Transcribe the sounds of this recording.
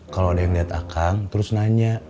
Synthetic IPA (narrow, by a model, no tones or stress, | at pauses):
kalowadajaŋliɦat̪a̰kʰaŋt̪əɾʊsnaɲa